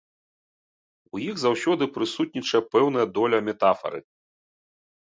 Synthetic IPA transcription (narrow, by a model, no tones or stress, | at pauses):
ujiɣzawsʲɔd̪ɨpɾɨsut̪̚ʲnʲit͡ʂɐjɛpɛwn̪ɐjɐd̪ɔlʲɐmʲɛt̪afɐ̰ɾɨ̰